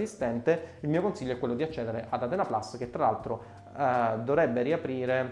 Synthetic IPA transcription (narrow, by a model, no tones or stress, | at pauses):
ist̪ɛnt̪eilmiːokonsiʎːoɛkːwelːod̪iat͡ʃːɛːd̪eɾeʔad̪at̪ɛːnaplasːk̟et̪ːɾalalt̪ɾo | d̪ovɾɛbːeɾiapɾiːɾe